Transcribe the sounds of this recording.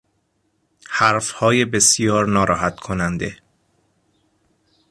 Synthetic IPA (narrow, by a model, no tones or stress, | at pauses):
hæɾfhɒːje̞be̞sjɒːɾnɒːɾɒːɦæt̪kʰonænd̪e̞